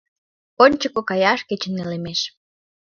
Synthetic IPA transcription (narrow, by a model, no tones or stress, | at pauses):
onʲt͡ɕəkokɑjɑʃket͡ɕə̆nːelemeʃ